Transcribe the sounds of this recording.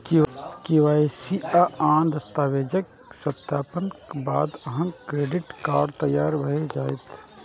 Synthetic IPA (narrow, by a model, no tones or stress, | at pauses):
kɪkɪʋaːesiaaːnd̪ɐst̪aːʋeːd͡ʒək | sɐt̪ːaːpənkbaːd̪ɐɦə̃mkɾeːɖɪʈkaːɾɖt̪ɐjːaːɾbʱɐɦed͡ʒaːet̪ʰ